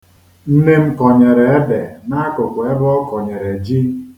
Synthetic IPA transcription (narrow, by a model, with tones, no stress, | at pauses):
n̩˦ne˦m̩˦kɔ˨ɲe˨ɾe˨e˦be˨na˦kʊ˨kʷe˦bɔ˦kɔ˨ɲe˨ɾe˨d͡ʒi˦